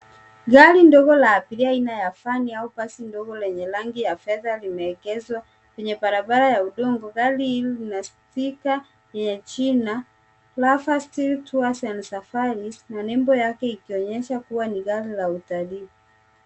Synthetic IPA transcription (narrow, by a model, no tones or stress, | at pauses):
ɡalindɔɡɔlaːpiliainajafaniaupasindɔɡɔlɛɲɛlaŋɡijafɛðalimɛɛkɛzwa | kwɛɲɛbaɾabaɾajauɗɔŋɡɔɡaliillinastika | jɛɲɛt͡ʃina | lafastiltuasansafaɾinanɛmbɔjakɛikiɔɲɛʃakuwaniɡalilautali